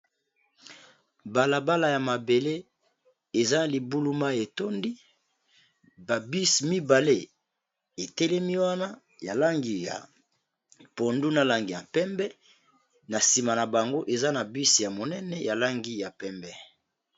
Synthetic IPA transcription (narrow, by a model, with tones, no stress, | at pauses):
ba˨la˨ba˦la˨ja˨ma˨be˨le˦ | e˨za˦˨li˨bu˦lu˦ma˦˨e˨to˦ndi˦ | ba˨bi˦si˨mi˦ba˨le˦ | e˨tɛ˦lɛ˦mi˦wa˦na˦ | ja˨la˦ŋɡi˨ja̰˨ | po˨ndu˦na˦la˨ŋɡi˨ja˨pɛ˦mbɛ˦ | na˨si˨ma˨na˨ba˨ŋɡo˦ʔe˨za˦na˨bi˦sja˨mo˨nɛ˦nɛ˦ja˨la˦ŋɡi˦ja˨pɛ˦mbɛ˦